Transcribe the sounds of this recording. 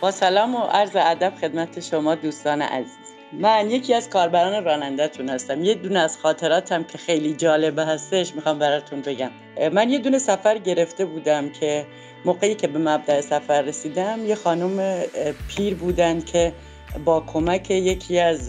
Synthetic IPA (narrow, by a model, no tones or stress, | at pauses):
b̥ɒːsælɒːmoʔæɾzeæd̪æb̥xe̞d̪mæt̪ʰeʃomɒːd̪uːst̪ɒːnḛʔæ̰ziːz̥ | mænje̞cʰiːæz̥kʰɒːɾbæɾɒːneɾɒːnænd̪æt̪ʰunhæst̪æmjed̪uneæz̥xɒːt̪ʰe̞ɾɒːt̪ʰæmcʰe̞xe̞jliːd͡ʒɒːle̞bɦæst̪eʃmiːxɒːmbæɾɒːt̪ʰunbe̞ɟæm | mænje̞d̪une̞sæfæɾɟe̞ɾe̞ft̪e̞buːd̪æmcʰe̞ | moɣejiːcʰe̞bemæb̚d̪æesæfæɾːe̞siːd̪æmjexɒːnumepʰiːɾbuːd̪ænd̪kʰe̞ | bɒːkʰo̞mæcʰe̞je̞cʰiːæz